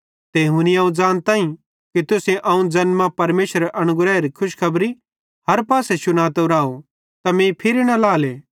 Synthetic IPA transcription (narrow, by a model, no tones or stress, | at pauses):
t̪eːɦuniãːũd͡ʒaːnt̪ãːĩ | kit̪ʊsẽʔɐũd͡ʒɐnmãpɐɾmeːsəɾʔɐñʊɡɾɛːɾikʰʊʃkʰɐbɾi | hɐɾpaːsɛsʊnaːt̪oɾaːo | t̪ɐmẽpʰɪɾinɐ̃laːleː